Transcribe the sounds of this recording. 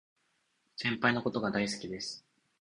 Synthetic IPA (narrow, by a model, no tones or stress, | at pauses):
sẽ̞mpainoko̞t̪o̞ɡad̪aisɨ̥kʲid̪e̞sɨ̥